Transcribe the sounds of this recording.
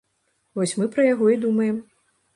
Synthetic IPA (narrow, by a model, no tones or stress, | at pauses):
vɔsʲmɨpɾɐjaɣɔid̪umɐjɛm